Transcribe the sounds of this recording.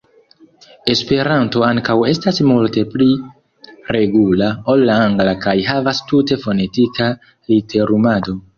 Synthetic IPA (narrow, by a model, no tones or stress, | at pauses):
e̞spe̞ɾanto̞aŋkawe̞stasmulte̞pli | ɾe̞ɡulao̞lːaaŋɡlakajɦavastute̞fo̞ne̞tika | lite̞ɾumado̞